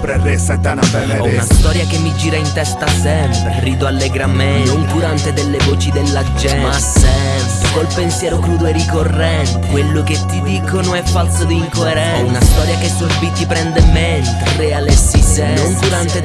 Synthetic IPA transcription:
ɔunast̪ɔɾjakemːid͡ʒiːɾaint̪ɛst̪asɛmpɾeriːd̪oalːeɡɾamenond̪uɾant̪ed̪elːevoːt͡ʃid̪elːad͡ʒɛmasɛ | mpɾekolpensjɛːɾokɾuːd̪oerikorːɛnt̪ekwelːoket̪ːid̪iːkonoɛfːalsod̪iːŋkoeɾɛ | unast̪ɔːɾjakesorbit̪ːipɾɛnd̪ement̪erealesːisɛnond̪uɾant̪e

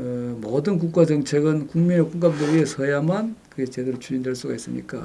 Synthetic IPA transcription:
ɯmʌdɯnk̬uk͈ad͡ʑʌŋt͡ɕʰeɡɯnkuŋminekuŋɡam̚deɾiesʰʌjamankɯɡet͡ɕe̞deɾot͡ɕʰud͡ʑindwe̞ɭs͈uɡais͈ɯ̰ɲḭk͈a̰

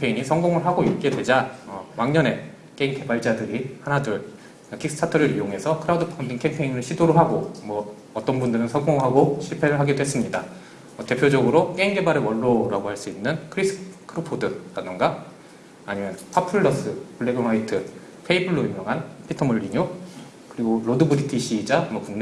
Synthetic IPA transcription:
mpʰeiɲisʰʌŋɡoŋɯɭɦaɡoik͈e̞dwe̞d͡ʑaʌwaŋɲʌne̞ | k͈eiŋke̞baɭd͡ʑadɯɾihanadɯɭ | kʰiks͈ʰɯ̥tʰatʰɯɾɯɾijoŋɦe̞sʰʌkʰɯɾaudɯpʰandiŋkʰempʰe̞inɯɭɕʰidoɾoɦaɡomwʌ | ʌt͈ʌnbundɯɾɯnsʰʌŋɡoŋɦaɡoɕʰiɭpʰe̞ɾɯɭɦaɡidoɦe̞s͈ɯmɲida | mʌte̞pʰjod͡ʑʌɡɯɾok͈eiŋɡe̞baɾɯɭwʌɭːoɾaɡoɦaɭs͈uinːɯnkʰɯɾis͈ɯ̥kʰɯɾɯpʰodɯɾadɯnɡa | aɲimjʌnpʰapʰɯɭːʌs͈ɯpuɭːe̞ɡɯnwaitʰɯ | pʰe̞ibuɭːoimjʌŋɦanpʰitʰʌmuɭːiɲo | kɯɾiɡoɾodɯbuɾitʰiɕʰid͡ʑamwʌkuŋn

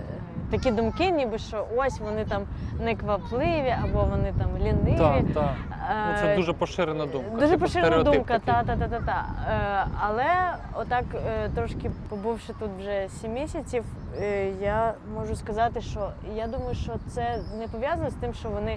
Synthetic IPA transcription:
t̪ɐkʲid̪ʊmkɪnʲibɪʃt͡ʃɔʔɔsʲʋɔnɪt̪amnɛkʋɐplˠɪʋʲiʔɐbɔʋɔnɪt̪amlʲinɪʋʲi | sɛuʒɛpɔʃɪɾenɐd̪umdd̪uʒɛp̬ɔʃɪɾennɐd̪umkɐt̪at̪at̪at̪akt̪a | ɐlˠɛ | ɔt̪ːɑkt̪ɾɔʃkʲɪpɔbuwʃɪt̪ut̪ʋʒɛsʲimʲːisʲɐt͡sʲiw | ja | mɔʒʊskɐzɑt̪ɪʃt͡ʃɔjad̪umɐjʊʃt͡ʃɔt̪sɛnɛpɔʋʲjazɐnɔst̪ɪmʃt͡ʃɔʋɔnɪ

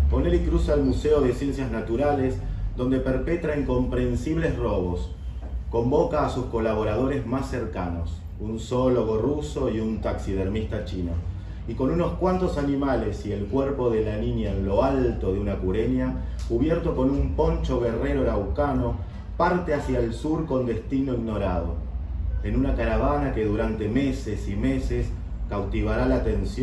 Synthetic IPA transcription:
ponelikɾusaelmuseo̞ðesje̞nsjaznat̪uɾalezðond̪e̞peɾpet̪ɾaiŋko̞mpɾe̞nsiβ̞le̞sroβ̞o̞s | ko̞mbo̞kaːsusko̞laβ̞o̞ɾað̞o̞ɾe̞zmasːeɾkanos | unsoloɣo̞ruso̞iunt̪aksiðeɾmist̪at͡ʃino | iko̞nuno̞skwant̪o̞sanimale̞sie̞lkweɾpo̞ð̞e̞laninjaenlo̞alt̪o̞ðeunakuɾenjakuβjeɾt̪o̞ko̞numpo̞nt͡ʃo̞ɣere̞ɾo̞ɾawkano̞ | paɾt̪easjaelsuɾko̞nd̪e̞st̪inoiɣno̞ɾað̞o̞̰ | enunakaɾaβ̞anake̞ðuɾant̪e̞mesesime̞ses | kawt̪iβ̞aɾalaːt̪e̞nsj

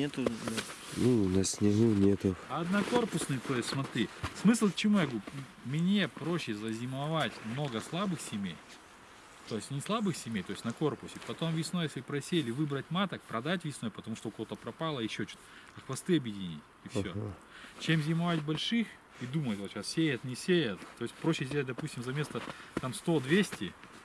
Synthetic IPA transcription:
nʲet̪ʊ | nunɐsʲnʲɪnunʲet̪ʊɐɐd̪nɐko̞rpʊsnɨjt̪o̞jɪst̪ʲsmɐt̪ɾʲismɨslˠkt͡ɕɪmujaɡupmnʲe̞pɾo̞ɕːɪzɐzʲɪmɐvatʲmno̞ɡəslˠabɨxsʲɪmʲḛj | t̪o̞jɪsʲtʲnʲɪslˠabɨxsʲɪmʲejt̪o̞ɪsʲnɐko̞rpʊsʲɪpɐt̪o̞mvʲɪsnojesʲlʲɪpɾɐsʲelʲɪvɨbɾətʲmat̪ək̚pɾɐd̪at̬ʲvʲɪsno̞jpət̪ɐmuʂt̪oʊkɐvo̞t̪əpɾɐpalˠəɪɕːot͡ɕu̥t̪ | ɐxvɐst̪ɨɐbjɪdʲɪnʲḭtʲifsʲo | t͡ɕemzʲɪmɐvatʲbɐlʲʂɨx | id̪umət̪ʲvoɕassʲejət̪nʲɪsʲejət̪ːo̞jɪsʲtʲpɾoɕːɪsʲdʲeət̚ʲd̪ɐpusʲtʲɪmzɐmʲe̞st̪ət̪amst̪o̞d̪vʲesʲtʲɪ

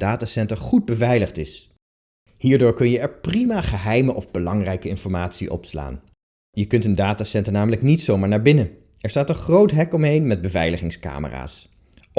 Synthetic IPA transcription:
daːtaːsɛntəɹχud̚bəvɛjləχtɪs | hiːɹdʊːɹkɵnjəɛɹprimaːχəɦɛjməʔɔvbəlɑŋrɛjkəɪnfɔɹmaːtsiʔɔ̰psla̰ːn | jəkɵntəndaːtaːsɛntənaːmələknitsowmaːɹnaːɹbɪnə | ɛɹstaːtənχrowtɦɛkɔmɦejnmɛd̚bəvɛjləχɪŋska̰ːmə̰ra̰ːs

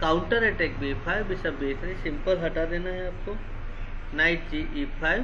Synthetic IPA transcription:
kawuɳʈəɾeʈek̚bepʰajʋbisabeːk̪ʰɾisimpəlɦɐʈad̪enaɦeap̚ko | najʈ̚d͡ʒiʔipʰajʋ

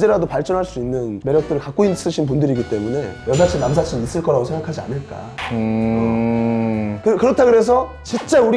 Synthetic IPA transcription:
d͡ʑeɾadopaɭt͡ɕ͈ʌnɦaɭs͈uinːɯnme̞ɾjʌk̚t͈ɯɾɯɭkak͈oins͈ɯɕʰinp̬undɯɾiɡit͈e̞mune̞jʌsʰat͡ɕʰinams̬ʰat͡ɕʰiis͈ɯɭk͈ʌɾaɡosʰe̞ŋɡakʰad͡ʑia̰nɯɭk͈a̰ | kɯkɯɾʌtʰaɡɯɾe̞s̬ʰʌ | t͡ɕint͡ɕ͈auɾi

